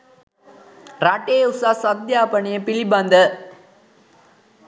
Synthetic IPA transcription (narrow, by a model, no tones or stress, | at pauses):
ɾaʈːeːusaːsɐd̪jaːpɐɳijɐpɪliband̪ɐ